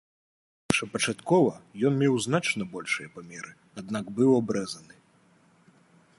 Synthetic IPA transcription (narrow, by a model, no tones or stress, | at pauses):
ʂɐpɐt͡ʂat̪kɔvɐjɔnmʲɛwznat͡ʂnɐbɔlʲʂɨjɐpamʲɛɾɨ | ad̪naɡbɨwabɾɛzɐnɨ